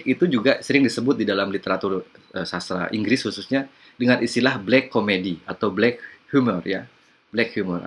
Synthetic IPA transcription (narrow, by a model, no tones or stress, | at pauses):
kit̪ud͡ʒuɡasəɾɪŋdisəbʊt̪̚didalamlit̪eɾat̪ur | əsast̪ɾa̰ʔiŋɡɾɪshususɲa | dəŋanʔist̪ilahblɛkːomediat̪awblɛk̚hjumɔrja | blɛkhjumɔ̰r